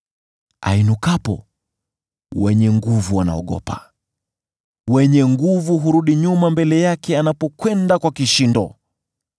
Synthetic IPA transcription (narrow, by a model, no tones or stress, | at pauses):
a̰inukapɔ̰ | wɛɲɛŋɡuvuana̰ɔ̰ɠɔ̰pa̰ | wɛɲɛŋɡuvuɦuɾuɗiɲumambɛlɛjakɛanapɔkwɛndakwakiʃindɔ